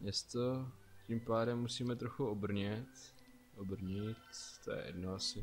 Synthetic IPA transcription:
mɲɛst̪ocimpaːdɛmːusiːmɛt̪ɾoxuobr̩ɲɛt̪ | ʔobr̩ɲɪt̪t̪o̰jɛ̰jɛ̰dnoasɪ

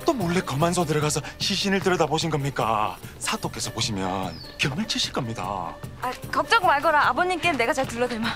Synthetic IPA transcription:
t͈omoɭːe̞kʌmans̬ʰʌdɯɾʌɡasʰʌɕiɕʰinɯɭtɯɾʌdaboɕʰinɡʌmɲik͈a̰sʰad͈ok͈e̞sʰʌpoɕʰimjʌ̰n | kjʌŋmɯɭt͡ɕʰiɕʰik͈ʌmɲida̰akʌk̚t͡ɕ͈ʌɡmaɭɡʌɾaːboɲimk͈ene̞ɡat͡ɕaɭtuɭːʌdwema

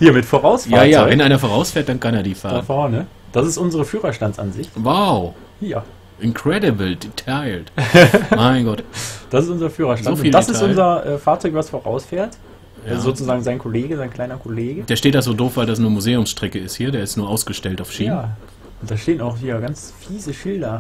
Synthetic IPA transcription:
hiːɐmɪtfoːʁaʊsfjaːjaaɔːvɛnʔaɪnɐfoːʁaʊsfeːɐt̚d̥ankʰaneːɐdiːfaːafɔːɐnə | d̥asɪstʔʊnzəʁəfyːʁɐʃtant͡sʔa̰nzɪçwaʊ | hiːɐ | ʔɪnkʁ̥ɛdəbəl̩ditʰaɪltmaɪnɡɔtd̥asɪstʔʊnzɐfyːʁɐʃtzaoːtfniːld̥asɪstʔʊnzɐʔɛːfaːɐt͡sɔʏkv̥asfoːʁaʊsfeːɐt | jzoːt͡suzaːɡŋ̩zaɪnkʰɔleːɡəzaɪnkl̥aɪnɐkʰɔleːɡəd̥eːɐʃteːtd̥azoːdoːfv̥aɪldas̬nuːɐmuzeːʊmsʃtʁ̥ɛkəɪsthiːɐdeːɐɪstnuːɐʔaʊsɡ̥əʃtɛltaʊfʃiːamː | ʔʊntd̥aːʃteːənaʊxhiːɐɡant͡s | fiːzəʃɪldɐ

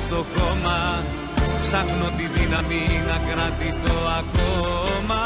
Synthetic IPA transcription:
d̪ɔɡɔma | sak̚not̪id̪inamiŋakəɾat̪it̪oaɡ̥ɔma

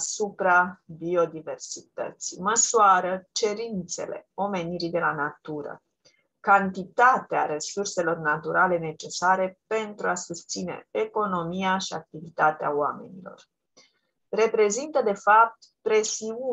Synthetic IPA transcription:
supɾabio̞d̪ive̞rsit̪ə̰t̪sijməsuaɾət͡ʃe̞ɾint̪se̞̰le̞̰o̞me̞niɾid̪e̞lanat̪uɾə̰ | kant̪it̪at̪ea̰ɾe̞surse̞lo̞rnat̪uɾale̞ne̞t͡ʃe̞saɾe̞pe̞nt̪ɾuasust̪sine̞̰ːko̞no̞mijaʃiak̚t̪ivit̪at̪ea̰oame̞̰nilo̞̰r | re̞pɾe̞zint̪əd̪e̞fap̚t̪ | pɾe̞siu

